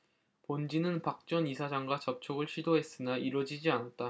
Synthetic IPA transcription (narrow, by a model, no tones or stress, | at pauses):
pond͡ʑinɯnpak̚t͡ɕ͈ʌnisʰad͡ʑaŋɡwat͡ɕʌp̚t͡ɕʰoɡɯɭɕʰidoɦe̞s͈ɯnaiɾwʌd͡ʑid͡ʑianat̚t͈a